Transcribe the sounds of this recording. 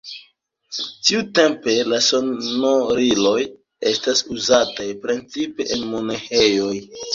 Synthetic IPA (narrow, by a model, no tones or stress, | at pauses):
tiute̞mpe̞lasonoɾilo̞j | e̞stasuzatajpɾent͡sipe̞ʔenmonehejo̞j